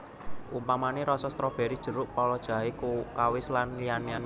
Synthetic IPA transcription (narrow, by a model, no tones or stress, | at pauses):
ʔumpamaneɾɔsɔst̪ɾɔb̥ɛ̤ɾid̥ʒ̥ə̤ɾʊʔpɔlɔd̥ʒ̥a̤ɦekukawɪslanlijanian